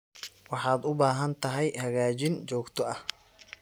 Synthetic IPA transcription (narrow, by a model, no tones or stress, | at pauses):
wɑħɑːd̪ʊbaːɦɐnt̪ʰɐɦɛjhɐɣaːt͡ʃɪnt͡ʃɔːɡt̪ʰɔɐh